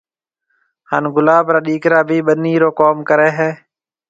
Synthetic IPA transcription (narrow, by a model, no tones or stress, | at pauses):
haːnɡʊlaːbɾaːɗiːkɾaːbʱiːɓəniːɾoːkoːmkəɾeːɦɛː